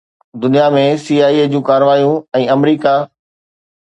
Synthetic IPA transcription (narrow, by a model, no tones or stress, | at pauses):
d̪ʊnijamẽsiːaːied͡ʑũːkaːɾʋaːijũɛ̃ːɐmɾiːka